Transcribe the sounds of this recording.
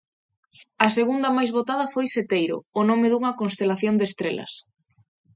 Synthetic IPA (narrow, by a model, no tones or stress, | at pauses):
ɐseɣund̪ɐmajzβot̪að̞ɐfojset̪ejɾʊ̰ːnomɪðuŋɐkonst̪elaθjond̪est̪ɾelɐ̰s